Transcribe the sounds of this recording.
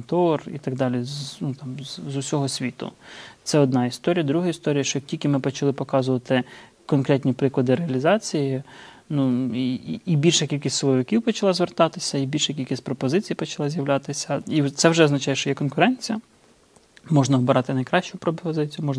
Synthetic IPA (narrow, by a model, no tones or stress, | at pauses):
t̪ɔrḭt̪ɐɡ̚d̪ɑlʲiznut̪ɑmzzʊsʲɔɦɔsʲʋʲit̪ʊ̰t̪sɛɔd̪̚nɑist̪ɔɾʲijɐd̪ɾuɦɐist̪ɔɾʲijɐʃt͡ʃɔjk̚tʲilʲkɪmɪpɔt͡ʃɐlˠɪpɔkɑzʊʋɐt̪ɪ | kɔnkɾɛt̪ʲnʲipɾɪklˠɔd̪ɪɾeɐlʲizɑt͡sʲijɪ | nuiːbʲilʲʃɛkʲilʲkʲisʲt̪ʲslˠɔʋɪkʲiwpɔt͡ʃɐlˠɑzʋert̪ɑt̪ɪsʲɐibʲilʲʃɛkʲilʲkʲisʲtʲpɾɔpɔzɪt͡sʲijpɔt͡ʃɐlˠɑzʲjɐwlʲɑt̪ɪsʲɐit̪sɛwʒɛɔznɐt͡ʃɑjɛʃt͡ʃɔjɛkɔnkʊɾɛnʲt͡sʲijɐ | mɔʒnɐɦɔbɪɾɑt̪ɪnɐjkɾɑʃt͡ʃʊpɾɔpɔzɪt͡sʲijʊmɔʒn